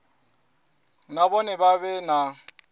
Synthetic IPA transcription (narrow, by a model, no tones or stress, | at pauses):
nabɔnɛbaβɛna